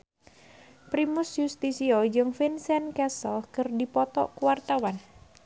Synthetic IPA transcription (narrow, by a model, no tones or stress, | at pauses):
pɾimusjust̪isiod͡ʒɨŋfinsɛnkɛsɔlkɨrdipɔt̪ɔ̰ʔkuwart̪awan